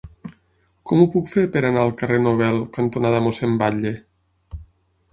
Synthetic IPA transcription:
kɔmupukfepeɾanaəlˠkərenoβ̞ɛlˠkant̪onaðəmosembaʎe

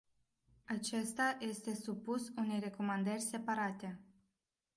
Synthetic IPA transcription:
at͡ʃe̞st̪aje̞st̪e̞supusune̞jre̞ko̞mand̪ərʲse̞paɾat̪e̞

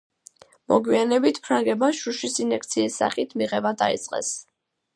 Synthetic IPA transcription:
mɔɡwianɛbit̪ʰpʰɾaŋɡɛbaʃuʃisinɛk̚ʰt̪sʰiːsːa̰χit̪ʰmiʁɛbad̪a̰ḭt̪sʼqʼɛ̰s

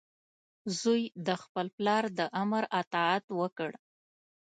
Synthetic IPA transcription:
zujd̪əxpəlplɑɾd̪əʔamɾat̪ɑat̪wəkəɽ

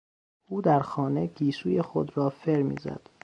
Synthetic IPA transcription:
ʔuːd̪æɾxɒːneɡiːsuːjexod̪ɾɒːfeɾmḭːzæ̰d̪̥

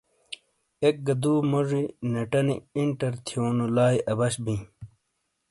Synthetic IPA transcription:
ek̚ɡɐd̪uːmoʐinɐʈɐnḭiɳʈɐɾt̪ʰjoːnulaːjʔɐbɐɕbĩ

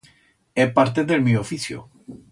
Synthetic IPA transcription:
ɛpaɾt̪eðelmeofiθjo̰

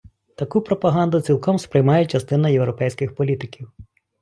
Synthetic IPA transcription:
t̪ɐkupɾɔpɐɦɑnd̪ʊt͡sʲilˠkɔmspɾɪjmɑjɛt͡ʃɐst̪ɪnɐjewɾɔpɛjsʲkɪxpɔlʲit̪ɪkʲiw

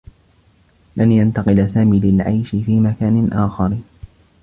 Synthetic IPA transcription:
lanjant̪ɑqɪlasaːmiːlɪlʕa̰jʃɪfiːmakaːnɪnʔaːxɑɾ

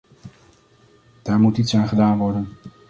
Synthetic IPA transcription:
d̥aːɹmutitsaːnχədaːnʋɔɹdən

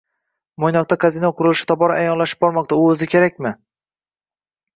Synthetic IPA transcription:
mojnɒq̚t̪akʰazinɒqʰʊɾɪlɪʃɪ̥t̪ʰɒbɒɾaajɒnlaʃɪ̥p̚bɒɾmɒq̚t̪aʊɵzɪkʲʰe̞ɾakʲmɪ

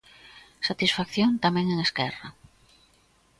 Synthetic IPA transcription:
sat̪isfakθjont̪amɛ̃ŋeŋeskɛra

